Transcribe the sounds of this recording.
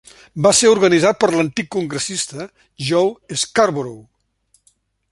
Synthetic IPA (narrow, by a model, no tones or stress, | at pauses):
baseuɾɣənizat̪̚pəɾlənt̪ikːuŋɡɾəsist̪ə | ʒoweskaɾβuɾow